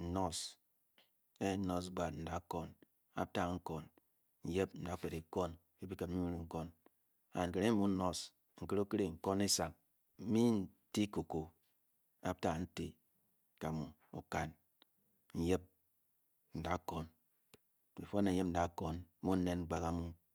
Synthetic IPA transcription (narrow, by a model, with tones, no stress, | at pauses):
no˦s | e˦no˦s̬ɡ͡ba˨tn̩˨da˨˦ko˦n | a̰˦ta˦˨ŋ̩˦ko˨n | n̩˦je˦p̚n̩˨da˨˦k͡pe˨ɾe˨ko˦n | e˦bi˦ke˨mi˦ɾu˦ŋ̩˦ko˦n | a̰˨ŋ̩˨ke˨ɾe˦mu˦no˦s | ŋ̩˨ke˦ɾo˦ke˦ɾe˦˨ŋ̩˨ko˦ne˦sa˨ŋ˦ | mi˦n̩˦ti˦ko˨ko˨ | a˦ta˦˨n̩˦te˨ | ka˨mu˨ṵ˦ka˨n | n̩˦je˦p̚ | n̩˨da˨˦ko˦n | i˨fo˦na˨je˦pn̩˨da˨˦ko˦n˦mu˦ne˦n˦ɡ͡ba˦ka˨mu˦